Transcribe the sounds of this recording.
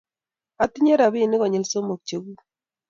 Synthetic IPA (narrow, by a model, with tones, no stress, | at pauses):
a˨ti˦ɲe˦ɾa˨βi˦˨nɪ˦ɣɔ˨ɲe˨lso˦mo˨k̚t͡ʃo˨ɣu˦